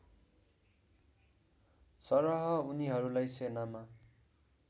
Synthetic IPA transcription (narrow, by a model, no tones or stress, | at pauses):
sʌɾʌɦʌuniɦʌɾulajsenama